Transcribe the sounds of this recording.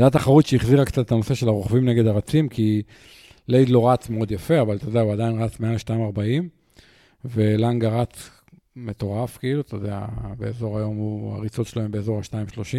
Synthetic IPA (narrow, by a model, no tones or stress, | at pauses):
d̪at̪aχaʁut̪ʃeiχziʁaktt͡sat̪et̪ano̞se̞ʃe̞laʁoχvimne̞ɡed̪aʁat͡simkʰi | lejd̪lo̞ʁat͡smeo̞d̪jafe̞avalt̪o̞ːd̪ɛauad̪ainʁat͡smealeʃtaimaʁbaim | ve̞laŋɡaʁat͡s | me̞t̪o̞ʁafkiilut̪oːd̪ea̰be̞ezo̞ʁajo̞mua̰ʁit͡sot̪ʃeloembeːzo̞ʁhaʃtaimʃlo̞ʃim